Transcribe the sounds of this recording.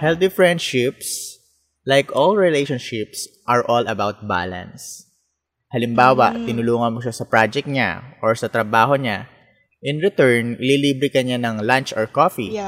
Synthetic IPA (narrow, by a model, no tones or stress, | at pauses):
hɛlt̪ifɹɛ̃nd̪ʃɪps | lajkʔolɹɪlejʃɔnʃɪpsʔɐɹʔolɐbawt̪̚ba̰lɐ̰̃ns | hɐlɪmbaːwɐ̰ʔt̪ɪnʊluːŋɐnmoʃasɐpɹad͡ʒɛk̚t̪̚ɲa̰ʔoɹsɐt̪ɾɐbaːɦo̞ɲa | ʔɪnɹɪt̪ɛɹnɪliːliːbɾɪkɐɲanɐŋlant͡ʃɔɹkofi